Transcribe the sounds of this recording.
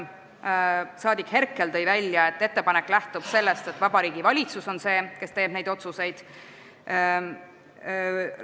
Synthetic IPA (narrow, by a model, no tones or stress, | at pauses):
sɑːd̪ikhe̞rkːˑe̞lt̪ɤ̞jvælʲjɑe̞t̪ːe̞t̪ːe̞pɑnekːˑlæht̪ub̥se̞lːest̪e̞t̪vɑbɑɾiːɡivɑlʲit̪suso̞nse̞ːke̞st̪e̞ːb̥ne̞jd̪ot̪suse̞jd̪̥